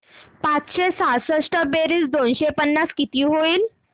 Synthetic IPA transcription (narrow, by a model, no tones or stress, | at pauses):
pat͡sɕesasəʂʈəbeɾisd̪onɕepənːaskit̪iɦoiːl